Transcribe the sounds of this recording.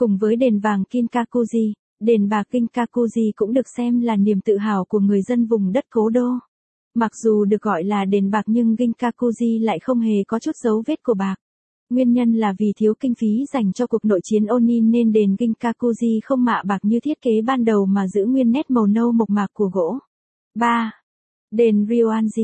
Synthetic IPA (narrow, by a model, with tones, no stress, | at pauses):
kʊ˨˩ŋ͡mvəː˨˦jɗe˨˩nvaː˨˩ŋki˧ŋ̟kaː˧ku˧zi˧ | ɗe˨˩nɓaː˨˩k̚ɣï˧ŋ̟kaː˧ku˧zi˧kʊ̰˧˥ŋ͡mɗɨ˨˩ək̚sɛ˧mlaː˨˩ni˨˩əmt̪ɨ̰˧˨ɦa̰ː˧˩wku˧˩əŋɨ˨˩əjzə˧nvʊ˨˩ŋ͡mɗə˦˥t̚ko˨˦ɗo˧ | ma˨˩k̚z̥u˨˩ɗɨ˨˩ək̚ɣɔ̰˧˨jlaː˨˩ɗe˨˩nɓaː˨˩k̚ɲɨ˧ŋɣï˧ŋ̟kaː˧ku˧zi˧la̰ː˧˨jxə˧wŋ͡mɦe˨˩kɔ˨˦t͡ɕu˦˥t̚zə˨˦wve˦˥t̚ku˧˩əɓaː˨˩k̚ | ŋwi˧ənɲə˧nlaː˨˩vi˨˩t̪ʰi˨˦əwkï˧ŋ̟fi˨˦z̥a˨˩jŋ̟t͡ɕɔ˧ku˨˩ək̚no̰˧˨jt͡ɕi˨˦ənʔo˧nːiː˧e˧nɗe˨˩nɣï˧ŋ̟kaː˧ku˧zi˧xə˧wŋ͡mma̰ː˧˨ɓaː˨˩k̚ɲɨ˧t̪ʰi˦˥ət̚ke˨˦ɓaː˧nɗə˨˩wmaː˨˩zɨ̰˧˥ŋwi˧ənːɛ˦˥t̚mə˨˩wnə˧wmo˨˩t̚maː˨˩kːu˧˩əɣo̰˧˥ | ɓaː˧ | ɗe˨˩nɾi˧o˧ʔaː˧nzi˧